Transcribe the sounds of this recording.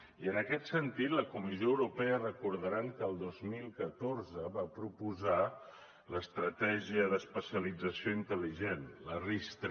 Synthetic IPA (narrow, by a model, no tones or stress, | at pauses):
iənəkɛt̪sənt̪it̪ləkumizioəwɾupɛərəkuɾðəɾaŋkəːlˠd̪ozmilˠkət̪orzəβapɾupuza | ləst̪ɾət̪ɛʒiəðəspəsiəlid͡zəsioint̪əliʒenlərist̪